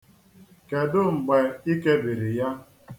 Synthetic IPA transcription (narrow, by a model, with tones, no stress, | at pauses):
ke˨dʊ˦ŋ͡m̩˨ɡ͡be˨i˦ke˦bi˨ɾɪ˨ja˦